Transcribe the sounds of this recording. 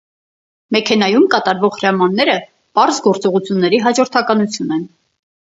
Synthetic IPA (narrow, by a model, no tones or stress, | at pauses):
mɛkʰɛnɑjumkɑt̪ɑɾvɔʁhɾɑmɑnːɛɾə | pɑɾzɡɔɾt͡sɔʁut͡sʰjunːɛɾiɦɑd͡ʒɔɾt̪ʰɑkɑnut͡sʰjunɛn